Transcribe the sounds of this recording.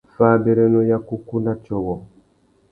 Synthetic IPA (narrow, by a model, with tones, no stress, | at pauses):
faː˦bɛ˨ɾɛ˦nɔ˦ja˦ku˦ku˦na˦t͡ʃɔ˦wɔ˨